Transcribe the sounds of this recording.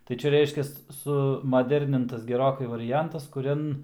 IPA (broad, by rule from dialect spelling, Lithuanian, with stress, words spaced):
tɐɪ ˈt͡ʃʲɛ ˈrʲɛɪʃʲkʲɛs ˌsʊmɐˈdʲɛrʲnʲɪntɐs ɡʲɛˈroːkɐɪ ʋɐrʲɪˈjɛntɐs kʊˈrʲɛn